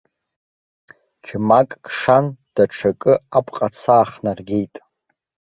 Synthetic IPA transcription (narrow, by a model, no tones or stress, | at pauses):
d͡ʒʰmakʼkʼʂand̥aʈ͡ʂʰakʼɨapʰʼqʼat͡sʰaːχnarɡʲejtʼ